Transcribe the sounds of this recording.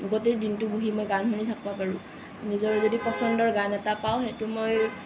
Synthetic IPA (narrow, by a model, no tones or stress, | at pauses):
luɡɔtedintʊbuɦimojɡanɦunitʰak̚bapaɹʊ̃ | nizɔɹɛzɔdipɔsɔndɔɹɡanɛtapaw̃xetʊmoj